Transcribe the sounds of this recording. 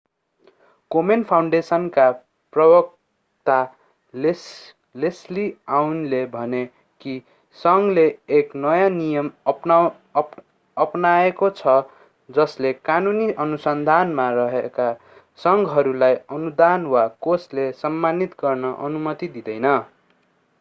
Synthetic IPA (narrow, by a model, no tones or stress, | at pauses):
komenpʰawɳɖesʌnka | prʌbʌk̚ | t̪a | l | lesliawnlebʱʌne | ki | sʌŋɡleːknʌjanijʌmʌpna | ʌpnaekot͡sʰʌ | d͡zʌslekanuniʔʌnusʌnd̪ʱanmarʌɦeka | sʌŋɡɦʌɾulajʌnud̪anwakoslesʌmːanit̪ɡʌrnʌʔʌ̰numʌt̪id̪id̪ʌjnʌ